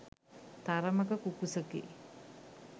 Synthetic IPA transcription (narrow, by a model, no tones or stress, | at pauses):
t̪aɾəməkəkukusəkḛ